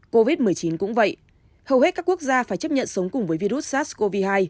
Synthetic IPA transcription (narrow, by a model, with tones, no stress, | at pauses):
ko˧vi˦˥t̚mɨ˨˩əjt͡ɕi˨˦nkʊ̰˧˥ŋ͡mvə̰˧˨j | hə˨˩whe˦˥t̚kaː˦˥kːu˦˥ək̚zaː˧faː˧˩jt͡ɕə˦˥p̚ɲə̰˧˨nsə˨˦wŋ͡mkʊ˨˩ŋ͡mvəː˨˦jvi˧ɾu˦˥t̚saː˦˥t̚sko˧vi˧haː˧j